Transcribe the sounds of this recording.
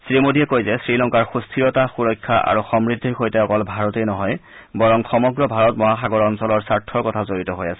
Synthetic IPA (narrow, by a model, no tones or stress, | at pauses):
sɹimodiɛkojzɛsɹilɔŋkaɹxustʰiɹɔtaxuɹɔjkʰːaʔa̰ɹuxɔmɹidʱːixojtɛɔkɔlbʱaɹɔtejnɔɦɔj | bɔɹɔŋxɔmɔɡɹɔbʱaɹɔtmɔɦaxaɡɔɹɔnsɔlɔɹsaɹtʰɔɹkɔtʰazoɹitɔɦojasɛ